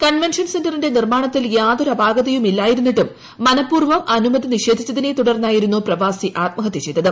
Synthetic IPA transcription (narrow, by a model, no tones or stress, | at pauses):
kɐnʋenʂɐnse̞ndɐrinde̞nirmaːɳɐt̪ːiljaːðoɾɐbʱaːɡɐðɐjumilːaːjiɾunːiʈːumː | ɐnɐpːuːrʋɐmɐnumɐðʱiniʂeːd̪ʱit͡ɕːɐðine̞t̪uɽɐrnːaːjiɾunːuprɐʋaːsiʔaːt̪̚mɐɦɐt̪ːit͡ɕe̞jt̪ːɐðɨ